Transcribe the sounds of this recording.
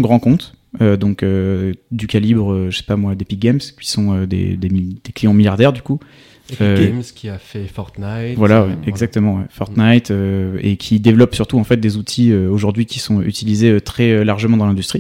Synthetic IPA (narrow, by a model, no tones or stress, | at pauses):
ɡʁɑ̃kɔ̃t̪ød̪ɔ̃kød̪ykʲalibʁøʒəse̥pamwad̪epiɡɛmskʲi̥sɔ̃ød̪ḛd̪ḛmd̪̥eklijɑ̃miljaʁd̪ɛʁd̪yku | ømskʲʰiafɛfɔʁt̪najvwalawɛɛɡzak̚t̪əmɑ̃wɛfɔʁt̪najt̪øḛkʲʰid̪evlɔpsyʁt̪uɑ̃fɛt̪̚d̪ezut̪ʰiøoʒuʁd̪ɥikʲi̥sɔ̃yt̪ilizeøt̪χɛølaʁʒəmɑ̃d̪ɑ̃lɛ̃d̪yst̪χi